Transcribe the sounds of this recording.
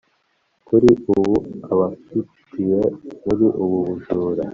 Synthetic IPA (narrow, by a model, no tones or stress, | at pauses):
kuɾiuβuaβafitʰ | ijemuɾiʔuβuβuʒuːɾa